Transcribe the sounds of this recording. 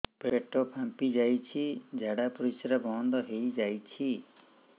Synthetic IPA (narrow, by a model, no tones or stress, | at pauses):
peʈopʰãmpid͡ʒajt͡ʃʰid͡ʒʱaɽapɔɾisɾabʱɔnd̪ɔɦeid͡ʒajt͡ʃʰi